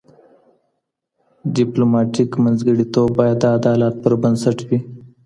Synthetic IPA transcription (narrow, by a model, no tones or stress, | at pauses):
ɖɪplomɑʈikmənzɡəɽit̪ob̚bɑjad̪ːəad̪ɑlɑt̪̚pəɾbənsaʈwi